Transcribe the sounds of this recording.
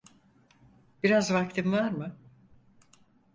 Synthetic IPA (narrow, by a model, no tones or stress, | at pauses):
b̥iɾazvak̚t̪ʰimvaɾmɯ